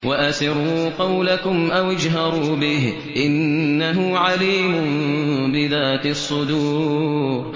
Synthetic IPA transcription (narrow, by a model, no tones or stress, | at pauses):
waʔasɪɾˤuːqɑwlakʊmʔawʔɪd͡ʒɦɑɾˤuːbɪh | ʔɪnːaɦʊʕaliːmʊnbɪðaːt̪sˤːʊd̪uːɾ